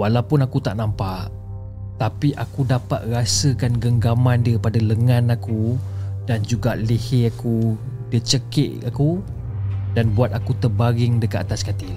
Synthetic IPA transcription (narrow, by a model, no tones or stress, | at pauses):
walawpʊnakut̪aʔnampaʔ | t̪apiʔakudapa̰t̪̚rasəkanɡəŋɡamandiɾipadaləŋãnakudand͡ʒuɡaʔliheaku | dət͡ʃəkɪ̰ʔaku | danbuat̪̚akut̪ərbaɡɪŋdəkaʔat̪askat̪il